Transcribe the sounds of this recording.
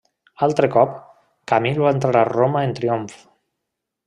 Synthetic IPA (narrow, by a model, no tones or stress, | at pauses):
alˠt̪ɾekɔp | kamiluaent̪ɾaɾaromaent̪ɾioɱf